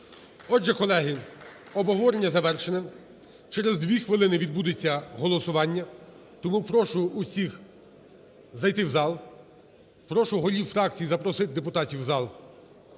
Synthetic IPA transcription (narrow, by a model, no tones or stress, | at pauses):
ɔʒɛkɔlˠɛɦɪ | ɔbɔɦɔʋɔɾenʲːɐzɐʋɛrʃenɛ | t͡ʃɛɾezd̪ʋʲixʋɪlˠɪnɪʋʲid̪̚bud̪et͡sʲːɐɦɔlˠɔsʊʋɑnʲːɐ | t̪ɔmupɾɔʃʊːsʲix | zɐjt̪ɪwzɑlˠ | pɾɔʃʊɦɔlʲiwfɾɑk̚t͡sʲijizɐpɾɔsɪt̪̚ʲd̪epʊt̪ɑtʲiwzɑlˠ